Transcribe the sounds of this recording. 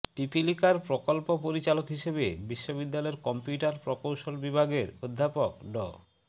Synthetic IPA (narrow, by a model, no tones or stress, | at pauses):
pipilikaɾpɾokolpopoɾit͡ɕalokɦiʃebebiʃːobid̪ːalɔeɾkɔmpjuʈaɾpɾokowʃolbibʱaɡeɾod̪ʱːapokɖɔ̰